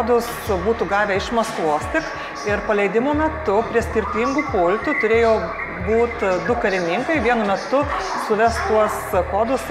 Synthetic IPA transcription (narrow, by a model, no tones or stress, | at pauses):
d̪ʊsbuːt̪uːɡɑːʋʲɛɪʃmɐst̪ʋuːsʲt̪ʲɪk | ɪɾpɐlʲɛɪd̪ʲɪmoːmʲɛt̪ʊpʲɾʲiɛsʲkʲɪɾʲt̪ʲiːŋɡuːpʊlʲt̪ut̪ʊɾʲeːjoː | buːt̪d̪ʊkɐɾʲɪnʲɪŋkɐɪʋʲiɛnʊmʲɛt̪ʊ | sʊʋʲɛst̪uɔskoːd̪ʊs